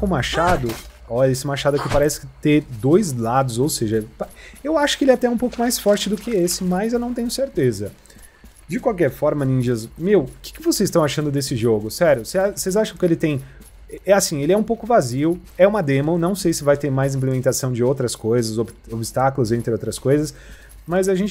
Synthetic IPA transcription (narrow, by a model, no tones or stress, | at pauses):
kõmaʃad̪ʊ | ɔʎɐesɪmaʃad̪ʊkɪpaɾɛsɪ̥kɪt̪ed̪ojzlad̪ʊzowseʒɐpaewaʃʊ̥kɪelɪɛat̪ɛɛũpowkʊmajsfɔɾt͡ʃɪd̪ʊkɪesɪmɐzewnɐ̃w̃t̪ẽɲ̃ʊseɾt̪ezɐ | d͡ʒɪkwawkɛɾfɔɾmɐnĩd͡ʒiɐzmewkɪ̥kɪvosezɪst̪ɐ̃w̃aʃɐ̃nd̪ʊd̪esɪʒoɡʊsɛɾjʊsɪasejzaʃɐ̃w̃kɪelɪt̪ẽj̃ | ɛasĩelɪɛũpowkʊvaziʊ | ɛũmad̪ẽmonɐ̃w̃sejsɪvajt̪eɾmajzĩplemẽnt̪asɐ̃w̃d͡ʒɪowt̪ɾɐskojzɐzoobɪst̪akʊlʊzẽnt̪ɾɪowt̪ɾɐskojzɐs | mɐzaʒẽnt͡ʃ